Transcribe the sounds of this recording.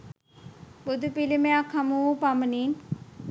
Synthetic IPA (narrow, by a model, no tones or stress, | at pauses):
bʊd̪ʱupilemẽakʰamupaməniːn